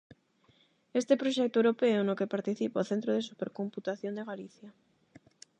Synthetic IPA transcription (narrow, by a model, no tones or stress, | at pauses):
est̪epɾoʃɛk̚t̪oewɾopeonokepaɾt̪iθipaoθent̪ɾoðesupeɾkomput̪aθjond̪eɣaliθja